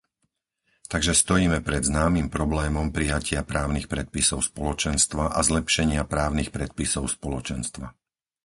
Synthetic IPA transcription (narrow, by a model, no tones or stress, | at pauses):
t̪aɡʒɛst̪ɔjiːmɛpɾɛd̪znaːmimpɾɔblɛːmɔmpɾijacʰɪapɾaːʊnixpɾɛt̪̚pisɔʊspɔlɔt͡ʃɛnst̪ʋaʔazlɛpʃɛɲɪapɾaːʊnixpɾɛt̪̚pisɔʊspɔlɔt͡ʃɛnst̪ʋa